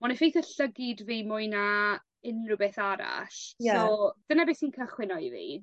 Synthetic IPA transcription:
mɔnifejθəɬəɡɪdviːmʊjna | ɪnrʊbɛθaɾa̰ɬjsaɔːd̥ənabɪsiːnkʰəχwɪnɔivḭː

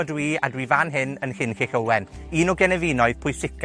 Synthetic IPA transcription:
ɔdwiːa̰dwivanɦɪnənhɪnxeɬəwɛn | iːnɔɡɛnɛviːnɔɨðpʰʊɨsɪkʰ

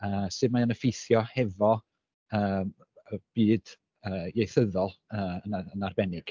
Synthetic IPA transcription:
əːsɨmaənəfejθjɔhɛvɔ | əːm | əb̥iːd̥ | əːjejθəðɔlˠəːənaənarbɛnɪɡ̥

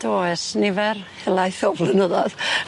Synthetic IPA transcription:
d̥oːɛsnɪvɛrhɛlˠajθɔvlˠənəðɔð

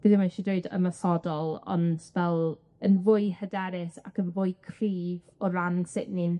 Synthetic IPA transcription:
b̥ɨðɪmaʃidweɨdə̰masɔdɔlˠɔ̰ndvɛlˠ | ənvʊɨhədɛɾɪsakənvʊɨkʰriːvɔɾansɪʔnɪn

